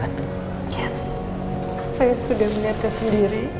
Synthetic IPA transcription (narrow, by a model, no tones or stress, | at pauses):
jɛs | sajasudahmənat̪ɛsəndiɾi